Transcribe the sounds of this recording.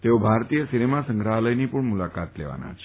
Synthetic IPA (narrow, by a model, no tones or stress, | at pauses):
t̪eobʱaɾt̪ijəsinemasəŋɡɾaɦləjnipəɳmulakat̪lḛʋa̰na̰t͡ʃʰe̥